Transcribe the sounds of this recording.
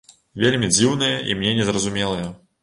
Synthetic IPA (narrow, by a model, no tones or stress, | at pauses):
vʲelʲmʲid͡zʲiwnɨjɐʔḭmnʲɛnʲɛzrɐzumʲɛlˠɐjɐ